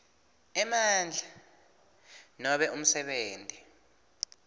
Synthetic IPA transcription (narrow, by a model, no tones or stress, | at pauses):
ɛmand͡ɮʱa | nɔɓɛʔum̩sɛɓeːntʼi